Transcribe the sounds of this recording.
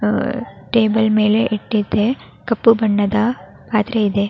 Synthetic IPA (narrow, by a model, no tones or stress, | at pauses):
ʈeːbɐlmeːleʔɛʈːit̪ːe | kɐpːɯbɐɳːɐd̪aː | paːt̪ɾeɪðe